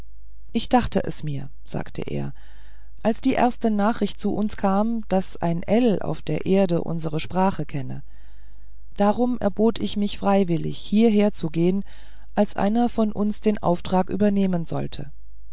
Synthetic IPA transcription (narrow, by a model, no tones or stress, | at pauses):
ʔɪçd̥aχtəʔɛ̰smiːɐ | z̥a̰ːktʰə̰ʔḛːɐ | ʔalsd̥iːʔḛɐstənaːχʁ̥ɪçt̚t͡suʔʊnskʰaːmd̥asʔa̰ɪnʔɛla̰ʊfd̥eːɐʔeːɐdəʔʊ̰nzəʁəʃpʁ̥aːχəkʰɛnə | d̥aːʁ̞ʊmɛ̰ɐboːtʰɪçmɪçfʁ̥aɪvɪlɪ̰çhiːɐɦeːɐt͡suɡeːən | ʔalsʔa̰ɪnɐfɔnʔʊnsd̥eːnʔa̰ʊftʁ̥aːkʔy̰ːbɐneːmənzɔ̰ltʰə